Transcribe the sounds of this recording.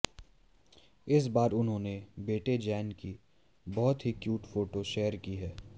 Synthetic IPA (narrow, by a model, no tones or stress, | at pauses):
ɪs̬baːɾʊnɦõːnebeːʈed͡ʒɛːnki | bɔɦʊt̪ɦikjuːʈfoːʈoʃeːəɾkiɦɛː